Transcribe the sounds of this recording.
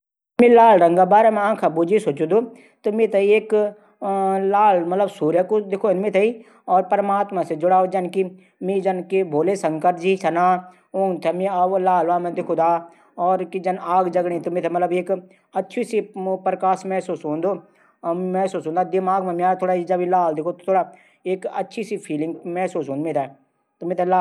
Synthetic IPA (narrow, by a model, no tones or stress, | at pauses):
mĩlaːlɾɐŋɡabaːɾemẽãːkʰabud͡ʒisot͡ʃud̪u | t̪ʊmĩt̪ʰɐieːk | laːlmɐt̪ləbsuːɾjəkod̪ɪkʰonmĩt̪ʰei | ɔːɾpəɾmaːt̪mased͡ʒʊɽaːod͡ʒɐnki | mĩd͡ʒɐnkibʱoːlesɐ̃ŋkəɾ̚d͡ʒisʰɐnaː | oːnt̪ʰemĩɐʋlaːlʋaːmẽd̪ɪkʰud̪aː | ɔːɾkid͡ʒɐnaːɡd͡ʒɐɡɽẽt̪omẽt̪ʰɛmɐt̪ləbeːk | ɐtːʃʰisipɾkaːsmɛːsuːsɦõːnd̪oː | mɛːsuːsɦõnd̪ad̪ɪmaːɡmɛ̃miaːt̪ʰoːɽaid͡ʒɐbilaːld̪ɪkʰot̪ot̪ʰoːɽa | eːkɐtːʃʰisipʰiːlɪ̃ŋɡmɛːsuːsɦõːnmẽt̪ʰɛ | t̪ʊmẽt̪ʰɛlaː